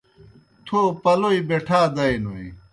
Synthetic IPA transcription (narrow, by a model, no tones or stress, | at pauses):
t̪ʰoːpɐloibeʈʰaːd̪ɐinoi